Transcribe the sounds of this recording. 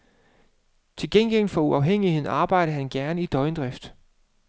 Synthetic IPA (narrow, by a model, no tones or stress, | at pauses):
t͡sʰe̝lɡ̥enɡ̥el̰fɒ̽uɑ̈ʊɦeŋ̰ihe̝ð̰ˠɑ̈ːb̥ɑ̈ɪ̰ɾ̥əɦænɡ̥æɐnəid̥ɒ̽ɪnd̥ʁɛfd̥